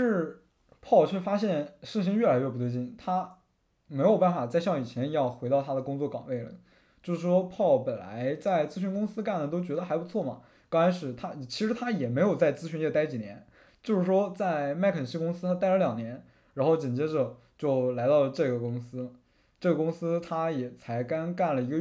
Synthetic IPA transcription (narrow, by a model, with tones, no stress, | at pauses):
ʂɻ̩˥˩ | pʰɑ˥˧ʊt͡ɕʰɥɛ˥˩fa˥ɕjɛ˥˧nʂ̩˥˩ɕ̬i˧˥ŋɥɛ˥˩la˧˥ɪɥɛ˥˩pu˧˥t̪we˥˧ɪt͡ɕi˥˩nt̪ʰa˥ | me˧˥ɪjo˨˩ʊpa˥˩nfa˨˩t͡sa˥˧ɪɕjɑ˥˩ŋi˨˩t͡ɕʰjɛ˧˥njɑ˥˧ʊxwe˧˥ɪt̪ɑ˥˩ʊt̪ʰa˥d̪ə˨kʊ˥ŋt͡swɔ˥˩kɑ̰˨˩ŋwe˥˩lə̰˩ | t͡ɕjo˥˧ʊʂɻ̩˥˩ʂwɔ˥pʰɑ˥˩ʊpə˨˩nla̰˧˥ɪt͡sa˥˩ɪt͡sɹ̩˥ɕy˧˥nkʊ˥ŋsɹ̩˥ka˥˩nd̪ə˩t̪o˥ʊt͡ɕɥɛ˧˥d̪ə˧xa˧˥ɪpu˧˥t͡sʰwɔ˥˩mɐ̰˩ | kɑ˥a˧˥ʂɻ̩˥˩t̪ʰa˥˩t͡ɕʰi˧˥ʂɻ̩˧˥t̪ʰa˥jɛ˨˩me˧˥ɪjo˨˩ʊt͡sa˥˩ɪt͡sɹ̩˥ɕy˧˥njɛ˥˩t̪a˥ɪt͡ɕi˨˩njɛ˧˥n | t͡ɕjo˥˧ʊʂɻ̩˥˩ʂwɔ˥t͡sa˥˩ɪma˥˩ɪkʰə˨˩nɕi˥kʊ˥ŋsɹ̩˥t̪ʰa˥t̪a˥˩ɪlə˧˦ljɑ˨˩ŋnjɛ˧˥n | ɻa˧˥nxo˥˩ʊt͡ɕi˨˩nt͡ɕjɛ˥ʈ͡ʂɤ˨˩ | t͡ɕjo˥˩ʊla˧˥ɪt̪ɑ˥˧ʊə˩ʈ͡ʂɤ˥˩ɡə˩kʊ˥ŋsɹ̩˥ | ʈ͡ʂɤ˥˩ɡə˩kʊ˥ŋsɹ̩˥t̪ʰa˥jɛ˨˩t͡sʰa˧˥ɪka˥nka˥˩nlə˩i˧˥ɡə˧